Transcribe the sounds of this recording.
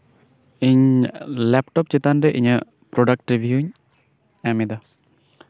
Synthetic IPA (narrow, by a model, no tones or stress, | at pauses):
iɲleːpʈopt͡ʃit̪ːaːnɖeʔiɲɨ | pɾoɖɐk̚ʈɾiʋjuːɲ | amid̪a